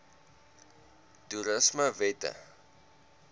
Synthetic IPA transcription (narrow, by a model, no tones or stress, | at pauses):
tuɾəsməvɛtə̰